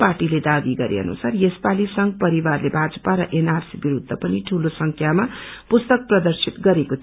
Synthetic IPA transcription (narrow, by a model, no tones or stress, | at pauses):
parʈiled̪aɡiɡʌɾḛʌ̰nṵsarjespalisʌŋɡpʌɾiwarlebʱad͡zʌpaɾʌʔenarsibiɾud̪ʱːʌpʌniʈʰulosʌŋkʰjamapust̪ʌk̚prʌd̪ʌrsʰit̪ɡʌɾekot̪ʰ